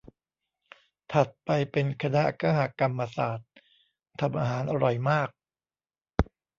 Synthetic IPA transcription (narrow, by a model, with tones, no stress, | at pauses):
t̪ʰa˨˩t̪̚pa˧jpe˧nkʰa˧na˦˥kaː˧˩ɦa˨˩ka˧mːa˧saː˨˩t̪̚ʰː | a˧mʔaː˧ɦaː˩˦nʔa˧ɾɔ˨˩jmaː˥˩k̚